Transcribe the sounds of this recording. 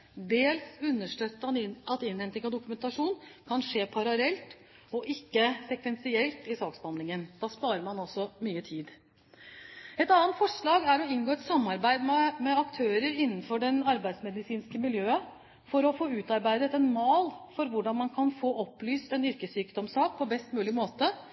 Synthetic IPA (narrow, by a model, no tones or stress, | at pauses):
d̪eːlsʉnːəʂʈøːt̪ːəɑnɪɑt̪ɪnhɛnt̪ɪŋɑʋd̪ʊkʉmɛnt̪ɑʂuːnkʰɑnʂeːpʰɑɾɑlɛlt̪ | ɔʔɪkːəsɛkʋɛnsɪɛlt̪ɪsɑːksbɑnd̪ɪŋənd̪̥ɑːspɑːɾəɾmɑnɔsːɔmyːət̪ʰiːd̪ | ɛt̪ɑːənt̪fɔʂɭɑːɡæɾɔɪnɡoːɛt̪sɑmːɑɾbæɪd̪mɛmɛɑkt̪ʰøːɾəɾɪnːənfɔɖɛnɑɾbæɪd̪smɛd̪ɪsiːnskəmɪljøːə | fɔɾɔfoːʉːt̪ɑɾbæɪd̪ət̪ɛnmɑːlfɔɾʋʊɖɑnmɑnkʰɑnfoːʔɔpːlyːst̪ɛnʏɾkəsyːkd̪ɔmsɑːk̚pʰɔbɛst̪mʉːlɪmoːt̪ə